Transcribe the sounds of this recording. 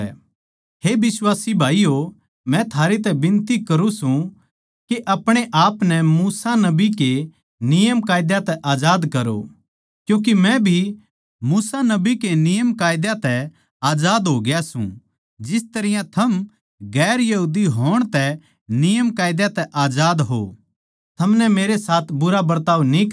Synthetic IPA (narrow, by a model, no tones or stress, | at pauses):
ɦebɪswaːsibʱaːijo | mɛ̃t̪ʰaːɾet̪̬ɛbɪ̃nt̪ikɐɾũsũ | keʔɐpɽ̃eʔaːpnɛmuːsanɐbike | nɪjəmkaːjd̪jat̪ɛʔaːd͡ʒaːd̪kɐɾo̰ | kjũːk̬imɛ̃bʱi | muːsanɐbikenɪjəmkaːjd̪jat̪ɛ | aːd͡ʒaːd̪ɦoɡjasṵ̃ | d͡ʒɪst̪ɐɾɪjãt̪ʰɐm | ɡɛːɾjɐɦuːd̪iɦoːɽ̃t̪ɛ | nɪjəmkaːjd̪jat̪ɛʔaːd͡ʒaːd̪ɦo̰ | t̪ʰɐmnɛmeːɾesaːt̪ʰbʊɾabɐɾt̪aːunĩ